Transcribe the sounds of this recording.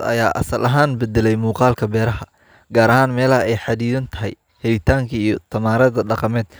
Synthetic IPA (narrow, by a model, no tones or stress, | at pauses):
ɐ̰jaːʔɐ̰sɐlʔɐɦaːnbɛd̪ɛlɛjmuːqɑːlkʰɐbɛːɾɐɦɐ | ɡaːɾɐɦaːnmɛːlɐhɐɛjħɑd̪iːðɐnt̪ʰɐɦɛ̰j | hɛɪt̪ʰaːŋkʰɐijɞt̪ʰɐmaːɾɐðɐɖɑqɑmɛːd̪̚